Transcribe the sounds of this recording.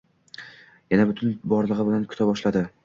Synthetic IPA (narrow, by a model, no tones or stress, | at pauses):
janabʊt̪ʰʊnbɒɾlˠɨʁɨbɪlankʰʊ̥t̪ʰabɒʃlad̪ɪ